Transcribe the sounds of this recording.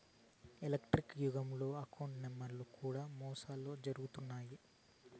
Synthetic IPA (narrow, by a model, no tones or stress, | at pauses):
elɐkʈɾikjuɡɐmlo̞ːɐkɐwɳʈnemːɐɾlukuːɽaːmɔːsaːloːd͡ʒɐɾuɡut̪unːaːji